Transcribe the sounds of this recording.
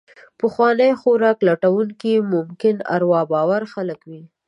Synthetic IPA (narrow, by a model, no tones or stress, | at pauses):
pəxwɑnəjxoɾɑklaʈawuŋkimʊmkɪna̰ɾwɑbɑwaɾxaləkwi